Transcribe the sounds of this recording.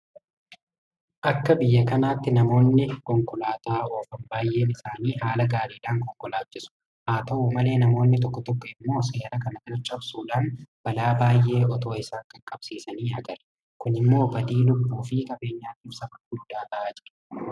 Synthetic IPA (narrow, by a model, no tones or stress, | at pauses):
ʔɐkːɐbɪjːɐkɐnaːt̪ːɪnɐmo̞ːnːɪkɔŋkʼʊlaːt̪aːo̞ːfɐmbaːjːe̞ːnɪsaːniːhaːlɐɡaːɾiːlaːŋkɔŋkʼɔlaːt͡ʃːɪsʊ̥ | haːt̪ɐʔuːmɐle̞ːnɐmo̞ːnːɪt̪̬ɔkːɔt̪ɔkːɔɪmːo̞ːseːɾɐkɐnɐk̪ɐɾt͡ʃʼːɐbsuːᶑaːnb̥ɐlaːbaːjʔe̞ːʔɔt̪o̞ːɪsaːŋkʼɐkʼːɐb̥siːsɐniːɐɡɐɾɐ | kʊnɪmːo̞ːbɐd̪iːlʊbːuːfɪkʼɐbe̞ːɲːaːt̪iːfsɐbɐɡʊd̪ːaːt̪ɐʔaːd͡ʒɪᶑɐ̥